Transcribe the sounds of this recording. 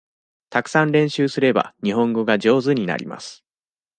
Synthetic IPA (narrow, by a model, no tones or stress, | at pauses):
t̪akɯ̟̥sãnɾẽ̞ɰ̃ɕɨːsɨɾe̞ba̰ɲ̟iɦõ̞ŋɡo̞ɡaʑo̞ːzɨɲ̟ina̰ɾʲḭma̰sɨ̥